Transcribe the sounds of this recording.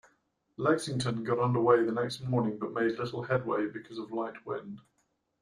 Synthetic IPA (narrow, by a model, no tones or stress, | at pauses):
lɛksɪ̃ŋtʰə̃nɡɒɾʌ̃ndəweɪðənɛkstmɔːnɪ̃ŋbʌʔmeɪdlɪtˡl̩ˠhɛd̚wḛɪbɪkʰɒzəvlaɪʔwɪ̰̃nd̥